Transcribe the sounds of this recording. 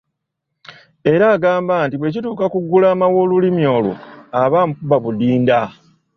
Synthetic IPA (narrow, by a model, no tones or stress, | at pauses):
e̞ɾaːɡaːmbaːntiβwe̞cituːkakuɡːulaːmawo̞ːlulimjo̞ːlṵaβaːmukubaβudiːnda